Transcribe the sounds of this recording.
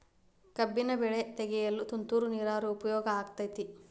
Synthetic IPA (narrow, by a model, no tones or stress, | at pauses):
kɐbːinɐbɛɭet̪ɛɡɛjɐlːut̪unt̪uːɾuniːɾaːɾuːpɐjɔːɡɐaːk̚t̪ɐjt̪i